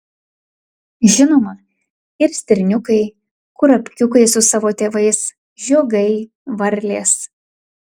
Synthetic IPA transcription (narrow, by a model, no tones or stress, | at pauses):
ʒʲɪnoːmɐ | ɪɾsʲt̪ʲɪɾʲnʲʊkɐɪ | kʊɾɐpʲkʲʊkɐɪsʊsɑːʋoːt̪ʲeːʋɐɪs | ʒʲoːɡɐɪ | ʋɐɾʲlʲeːs